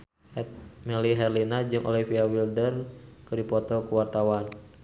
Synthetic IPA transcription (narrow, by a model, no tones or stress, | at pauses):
mɛliɦɛrlinad͡ʒɨŋʔɔ̰lifiawildərkɨdipɔt̪ɔkuwart̪awan